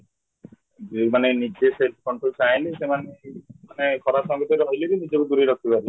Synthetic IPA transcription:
d͡ʒmanenid͡ʒeseʈ̚kɔɳʈɾolsajlisemanemanekʰɔɾasɔɡɔt̪ɔɾɦojlebinid͡ʒɔkud̪uɾiɾɔk̚ʰbibaɾi

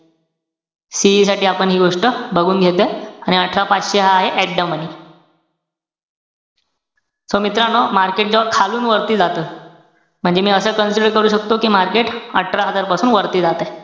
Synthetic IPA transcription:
siisaʈiːapəɳɦiːɡoʂʈəbʱəɡuːnɡʱet̪eaɽ̃iəʈʰɾapat͡sɕeɦaːɦeʔæʈɖəməniː | somit̪ɾanomaɾkeʈ̚d͡ʑəʋəɾkʰaluːnʋəɾt̪iːd͡zat̪əː | m̤əɳd͡zemiːəsəːkənsiɖəɾkəɾuːɕək̚t̪okiːmaɾkeʈəʈʰɾaɦəd͡zaɾpasuːnʋəɾt̪iːd͡zat̪a

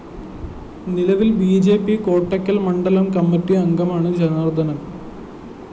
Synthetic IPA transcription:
nilɐʋilbiːd͡ʑe̞ːpːiko̞ːʈːɐkʲːɐlmɐɳɖɐlɐmkɐmːɐtːiɐŋɡɐmaːɳɨd͡ʑɐnɐrd̪ʱɐnɐm

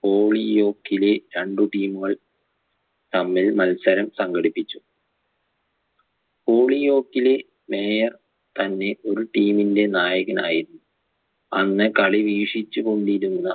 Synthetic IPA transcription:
po̞ːɭijo̞ːkːileɾeɳɖuʈiːmuɣɐɭ | t̪ɐmːilmɐlsɐɾɐmsɐŋɡɐɽipːit͡ɕːu̥ | po̞ːɭijo̞ːkːile | me̞ːjɐr | t̪ɐnːe̞o̞ɾuʈiːminde̞naːjɐɣɐnaːjiɾunːu | ɐnːɨkɐɭiʋiːʂit͡ɕːuko̞ɳɖiɾunːɐ

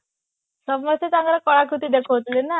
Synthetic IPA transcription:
səbməset͡saŋɡɾakɔɭakut̪iːd̪ekʰoʋət̪lena

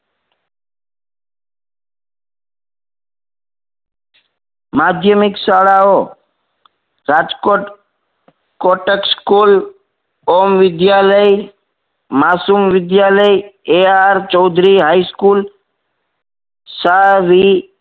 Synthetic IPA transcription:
maːd̪ʱjəmɪksaːɽaːo | ɾaːd͡ʒkoʈ | koːʈəkskul | oːmʋɪd̪jaːləj | maːsumʋɪd̪jaːləjeaɾt͡ʃɔʊd̪ʱɾiɦaːiskul | saʋi

